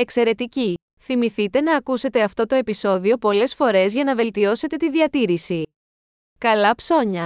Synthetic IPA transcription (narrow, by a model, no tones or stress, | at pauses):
e̞kse̞ɾe̞t̪ici | θimiθit̪e̞nɐːkuse̞t̪e̞ɐft̪o̞t̪o̞e̞piso̞ðio̞po̞le̞sfo̞ɾe̞zʝɐnɐve̞lt̪io̞se̞t̪e̞t̪iðiɐt̪iɾisi | kɐlɐpso̞ɲɐ